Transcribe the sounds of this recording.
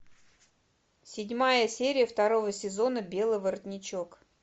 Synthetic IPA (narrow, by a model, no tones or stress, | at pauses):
sʲɪdʲmajəsʲeɾʲɪjəft̪ɐɾo̞vəsʲɪzo̞nəbʲe̞lˠɨjvəɾət̪ʲnʲɪt͡ɕo̞k